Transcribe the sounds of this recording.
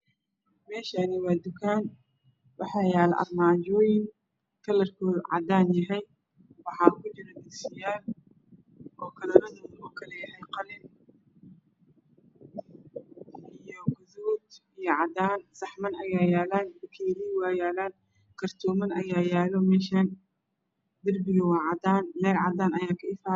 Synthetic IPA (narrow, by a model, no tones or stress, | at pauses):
mɛːʃaːnɪwɑːd̪ʊkʰaːn | wɑħɑːjaːlʔɐ̰rmaːd͡ʒɔːjɪŋ | kʰɐlɐrkʰuːʕɑ̰d̪aːnjɐɦɛj | wɑħɑːʊɣʊt͡ʃɪɾɐd̪ɪɡsɪjaːl | ɔːkʰɐlɐɾɐðʊmʊɡukʰɐlɛjɐɦɛjqɑlɪn | ɪjɔɡɐðɔːd̪ijɔʕɑd̪aːnsɐħmɐnɐjaːjaːlaːnbɐkʰɛːliːwɑːjaːlaːn | kʰɐrt̪ʰɔːmɐnɐjaːjaːlɔmɛːʃaːn | d̪ɐrbɪɣɐwɑːʕɑd̪aːnlɛːlʕɑd̪aːnɐjaːkʰɐɪfaː